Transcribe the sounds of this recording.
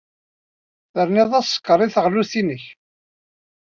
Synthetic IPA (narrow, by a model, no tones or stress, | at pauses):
θəɾniðˤæsˤːə̥kːəɾˤiθəʁluθinəç